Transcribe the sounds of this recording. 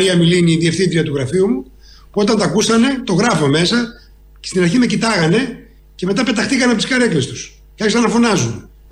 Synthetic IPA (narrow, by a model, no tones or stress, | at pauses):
ɾiɐmiliniːðiefθint̪ɾiɐt̪uɣɾɐfiumu | puo̞t̪ɐnt̪ɐkusɐne̞t̪o̞ɣɾɐfome̞sɐ | cest̪inɐɾçime̞cit̪ɐɣɐne̞ | ce̞me̞t̪ɐpe̞t̪ɐxt̪ikɐnepot̪iskɐɾe̞klest̪u̥s | cɐçisɐnɐfo̞nɐzum